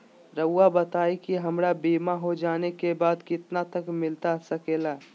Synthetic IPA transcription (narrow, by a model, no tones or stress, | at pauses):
ɾəːabət̪aːikiɦɐmɾabiːmaɦod͡ʒaːnekebaːd̪kɪt̪nat̪əkmɪlt̪asɐkeːlaː